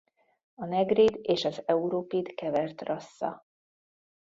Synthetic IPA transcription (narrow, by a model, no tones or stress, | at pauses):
ɒnɛɡriːd̪eːʃɒzɛuɾoːpid̪kɛvɛrt̪rɒsːɒ̰